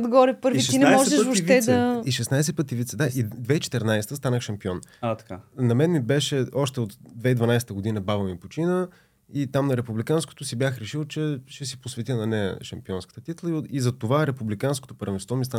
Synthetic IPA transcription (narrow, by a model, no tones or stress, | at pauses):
d̪ɡɔɾɛpɤɾviʃinɛmmɔʒɛʃvoʃt̪ɛd̪ɐiʃɛsnajsɛt̚pət̪ivit̪sɛd̪aʔid̪vɛit͡ʃɛ̥t̪ɛɾnajst̪əst̪anəxʃɐmpiɔnat̪ɐkanɐmɛnmibɛʃɛɔʃt̪ɛot̪d̪vɛid̪vɐnajsɛt̪əɡod̪inəbavəmipot͡ʃinə | it̪amnɐɾɛpublikansko̥t̪ʊsibʲjaxɾɛʃilˠt͡ʃɛʃɛsiposvɛt̪ʲinɐnɛjə̰ʃɐmpiɔnskə̥t̪ət̪it̪lˠəizɐt̪ovaɾɛpublikansko̥t̪opəɾɛmst̪vɔmist̪a